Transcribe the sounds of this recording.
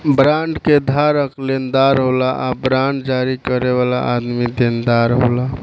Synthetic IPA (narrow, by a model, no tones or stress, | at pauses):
bɾãɳɖked̪ʱaɾəklend̪aɾɦolaʔabɾaɳɖd͡ʒaɾikəɾeβala̰ʔad̪mid̪end̪aɾɦo̰la